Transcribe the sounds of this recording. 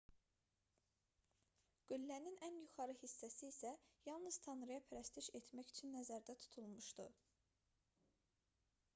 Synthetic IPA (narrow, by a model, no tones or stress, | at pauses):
ɡ̥ylːæninænjuχɑɾɯhisːæsiːsæjɑlˠnɯz̥t̪ʰɑnɾɯjɑpʰæɾæst̪ʰiʃet̪ʰmæçyt͡ʃʰynːæzæɾd̪æt̪ʰu̥t̪ʰulˠmuʃd̪u